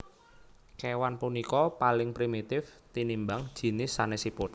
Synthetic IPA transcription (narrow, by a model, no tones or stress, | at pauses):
kewanpunikɔpalɪŋpɾimit̪ɪft̪inimbaŋd̥ʒ̥i̤nɪsːanesipʊt̪̚